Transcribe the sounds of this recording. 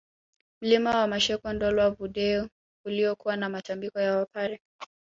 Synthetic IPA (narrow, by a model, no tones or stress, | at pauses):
m̩limawamaʃɛkɔndɔlwavuɗɛɔ | uliɔkuwanamatambikɔjawapaɾɛ